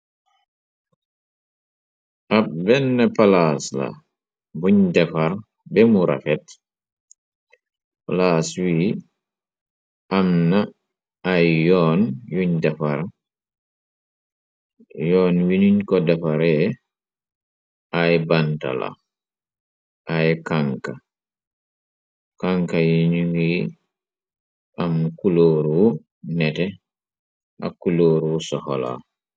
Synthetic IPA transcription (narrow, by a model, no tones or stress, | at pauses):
ʔabɛnːɛpalasla̰ | buɲdɛfaɾ | bɛmuɾa̰fɛt̚ | palaswiː | ʔamnaː | jːɔːnjuɲdɛfaɾ | jɔːnwiniɲkɔdafaɾɛ | ʔajbanta̰la̰ | ʔajkaŋka | kaŋkajiɲuŋi | ʔamkuloːɾuwu | nɛtɛ | ʔa̰kuloːɾuwsɔhɔla̰